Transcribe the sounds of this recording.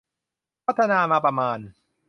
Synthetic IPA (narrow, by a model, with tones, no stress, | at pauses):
a˦t̪a˦naːma˨ba˨maːn